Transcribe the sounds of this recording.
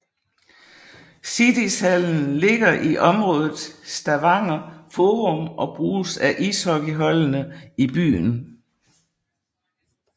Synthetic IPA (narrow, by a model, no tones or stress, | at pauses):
sid̥ishæln̩le̝ɡ̥ɐʔiʔɒ̽mʁɔ̽ːðˠð̩ˠsd̥æʋɑ̈ŋ̰ɐfoːʁɔmʔɒ̽b̥ʁuːsæʔiːshɒ̽ɡ̥əɦɒ̽lənəib̥y̰ːn